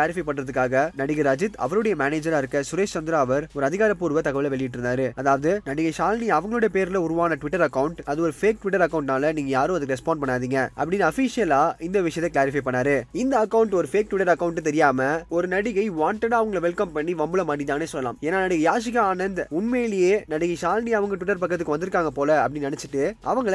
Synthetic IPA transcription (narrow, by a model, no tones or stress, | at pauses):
laːɾɪfɐɪpɐɳɾɐðɯkːaːɣɐnɐɽɪɣɐɾad͡ʒɪt̪ɐ̰ʋɐɾɯɽɐjɐmaːneːd͡ʒɐɾaːɪɾɯkːɐsʊɾeːst͡ʃɐnd̪ɪɾaːɐʋɐɾɔɾɯɐðɪɣaːɾɐpːuːɾʋɐt̪ɐɣɐʋɪlɐʋɛɭɪjɪʈːɾɯnd̪aːɾɯɐðaːʋɐðɯnɐɽɪɣɐɪʂaːlniɐʋɐŋɡɐɭɯɽɐjɐpeːɾlɐʊɾɯʋaːnɐʈʋɪʈːɐɾɐkːɐʊɳʈɐðɯɔɾɯfeːk̚ʈʋɪʈːɐɾɐkːɐʊɳʈnaːlɐniːŋɡɐjaːɾɯ̃ɐðɯkːɾɛspaːɳɖ̚pɐɳːaːðiːŋɡɐʔɐ̰pːɐɽɪnːɐɐfisɪjɐlaːɪnd̪ɐʋɪʂɐjɐt̪ːɐkɪlaːɾɪfɐɪpɐɳːaːɾɯɪnd̪ɐːkːɐʊɳʈɔɾɯfeːk̚ʈʋɪʈːɐɾɐkːɐʊɳʈːɯt̪ɛɾɪjaːmɐɔɾɯnɐɽɪɣɐɪʋaːɳʈɐɽaːɐʋɐŋɡɐɭʋɛlkɐmpɐɳːiʋɐmbɯlɐmaːʈit̪aːneːsɔlɐla̰ːmeːnːaːnɐɽɪɣɐjaːs̬ɪɣɐaːnɐnd̪ʊnmeːlɪjeːnɐɽɪɣɐʃaːlniɐʋɐŋɡɐʈʋɪʈːɐɾpɐkːɐt̪ːɯkːɯʋɐnd̪ɪɾɯkːaːŋɡɐpoːlɐɐpːɐɽɪnnɐnɛt͡ʃːɪʈːɯʔɐ̰ʋɐŋɡɐɭ